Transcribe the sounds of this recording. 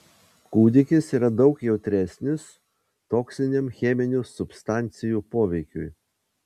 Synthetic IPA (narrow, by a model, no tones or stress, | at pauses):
kuːd̪ʲɪkʲɪsiːɾɐd̪ɒʊkjɛʊt̪ʲɾʲɛsʲnʲɪs | t̪oːksʲɪnʲemxʲɛːmʲɪnʲuːsʊpst̪ɑˑnʲt̪sʲɪjuːpoːʋʲɛɪkʲʊ̰j